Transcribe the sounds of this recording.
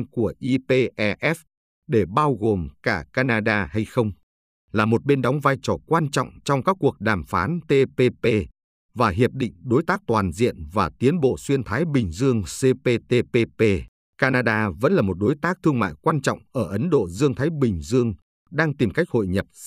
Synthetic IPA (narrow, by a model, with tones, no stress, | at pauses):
ku˧˩əʔi˧pe˧ʔɛ˧ʔɛ˦˥f | ɗe˧˩ɓaː˧wɣo˨˩mkaː˧˩kaː˧naː˧ɗaː˧ha˧jxə˧wŋ͡m | laː˨˩mo˨˩t̚ɓe˧nɗɔ˨˦wŋ͡mvaː˧jt͡ɕɔ˧˩kwaː˧nt͡ɕɔ̰˧˨wŋ͡mt͡ɕɔ˧wŋ͡mkaː˦˥k̚ːu˨˩ək̚ɗaː˨˩mfaː˨˦nt̪e˧pe˧pe˧ | vaː˨˩ɦi˨˩əp̚ɗḭ̈˧˨ŋ̟ɗo˨˦jt̪aː˦˥k̚t̪waː˨˩nzḭ˧˨ənvaː˨˩t̪i˨˦ənɓo̰˧˨swi˧ənt̪ʰaː˨˦jɓï˨˩ŋ̟zɨ˧əŋse˧pe˧p̪e˧pe˧pe˧ | kaː˧naː˧ɗaː˧və̰˧˥nlaː˨˩mo˨˩t̚ɗo˨˦jt̪aː˦˥k̚t̪ʰɨ˧əŋma̰ː˧˨jkwaː˧nt͡ɕɔ̰˧˨wŋ͡mʔəː˧˩ʔə˨˦nɗo̰˧˨zɨ˧əŋt̪ʰaː˨˦jɓï˨˩ŋ̟zɨ˧əŋ | ɗaː˧ŋt̪i˨˩mka˦˥jk̚ho̰˧˨jɲə˨˩p̚